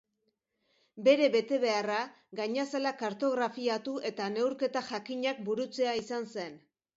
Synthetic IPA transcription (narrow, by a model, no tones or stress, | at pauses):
be̞ɾe̞βe̞t̪e̞βe̞ara | ɡaɲaselakaɾt̪o̞ɣ̞ɾafiat̪uʔe̞t̪ane̞wɾke̞t̪aʝakiɲak̚buɾut͡se̞aisanse̞n